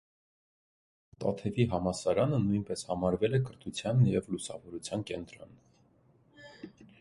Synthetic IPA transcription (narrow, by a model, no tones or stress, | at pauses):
t̪ɑ̰t̪ʰɛviɦɑmɑsɑɾɑnənujnpɛshɑmɑɾvɛlɛkəɾt̪ʰut͡sʰjɑnːjɛvlusɑvɔɾut͡sʰjɑnkɛnt̪ɾɔn